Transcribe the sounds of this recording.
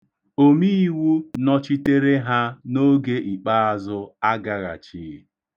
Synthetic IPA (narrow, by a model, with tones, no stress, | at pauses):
o˦mi˦wu˦nɔ˦t͡ʃi˦te˦ɾe˦ɦa˦no˦ɡe˦ʔi˨k͡pa˦a˦zʊ˦a˦ɡa˨ɣa̰˨t͡ʃiː˨˦